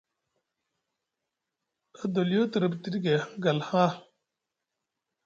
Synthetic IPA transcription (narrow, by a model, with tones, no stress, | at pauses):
ə˦d̪o˨ljo˦t̪ə˨ɾə˦˨bt̪i˦ɾi˦ɡe˨hɡɐ˨lhã˦